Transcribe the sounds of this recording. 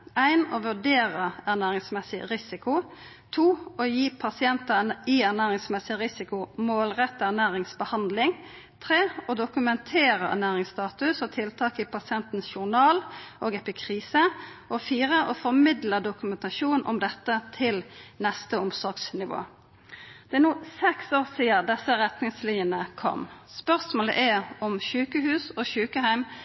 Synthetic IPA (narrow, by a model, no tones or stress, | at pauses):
æɪnoːʋʉɖeːʁəænæːɾɪŋsmɛsɪɾɪsɪkʊ | t̪ʰuːoːjiːpʰɑsɪɛnt̪ɑiːæʁnæːɾɪŋsmɛsɪʁɪsɪkʊmoːlʁɛt̪ːəæʁnæːʁɪŋsbəhɑnd̪lɪŋ | t̪ʰɾeːoːd̪ʊkʉmɛnt̪ʰeːɾəæ̰næːɾʁɪŋst̪ɑːt̪ʉsɔt̪ʰɪlt̪ʰɑːkɪpʰɑsɪɛnt̪n̩sʃʊnɑːlʔoːɡɛpɪkʰʁiːsəʔɔfiːɾəʔɔfɔʁmɪd̪ləd̪ʊkʉmɛnt̪ɑʃuːnʔɔ̰md̪ɛt̪ːət̪ʰɪlnɛst̪əʊmsɔʁɡsnɪʋo̰ː | d̪ɛɛnuːsɛksoːʁsiːəd̪ɛsəɾɛt̪nɪŋsliənəkʰɔ̰mspœʁsmoːlə̰ʔæɔmʃʉːkəɦʉːsɔːʃʉːkəɦæɪm